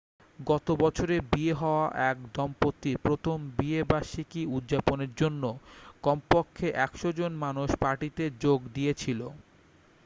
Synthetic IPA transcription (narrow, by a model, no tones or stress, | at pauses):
ɡɔt̪obɔt͡ɕʰoɾebieɦɔoaʔɛk̚d̪ɔmpot̪ːipɾot̪ʰombiebaʃikiud̪ʑaponeɾd͡ʑonːokɔmpokʰːeʔɛkʃod͡ʑonmanuʃpaʈit̪ed͡ʑoɡd̪iet͡ɕʰilo̰